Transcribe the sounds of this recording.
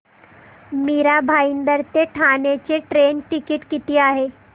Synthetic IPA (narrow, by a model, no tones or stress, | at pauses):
miɾabʱaind̪əɾt̪eʈʰanet͡ɕeʈɾenʈikiʈkit̪iːaɦe